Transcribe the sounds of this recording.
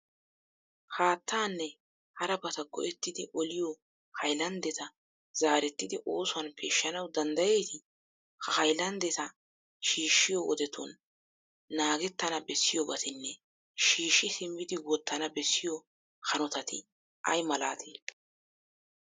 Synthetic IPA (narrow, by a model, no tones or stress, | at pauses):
haːt̪ːaːnːɛ | hɐɾɐbɐt̪ɐɡɔ̰ʔɛt̪ːɪd̪ɪʔɔlɪjɔ | hɐjlɐnd̪ɛt̪ɐ | z̥aːɾɛt̪ːɪd̪ɪʔo̞ːsʊɐnpʰeːʃːɐnɐwd̪ɐnd̪ɐje̞ːt̪ɪ | hɐhɐjlɐnd̪ɛt̪ɐ | ʃiːʃːɪjɔʔɔd̪ɛt̪ṵnː | aːɡɛt̪ːɐnɐbɛsːɪjɔbɐt̪ɪnːɛ | ʃiːʃːɪsɪmːɪd̪ɪwɔt̪ːɐnɐbɛsːɪjɔ | hɐnɔt̪ɐt̪ɪ | ʔɐ̰jmɐla̰ːt̪ʰe